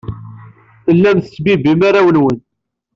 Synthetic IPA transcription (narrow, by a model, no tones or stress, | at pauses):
θəlːæmθəsbibimaɾæwənwən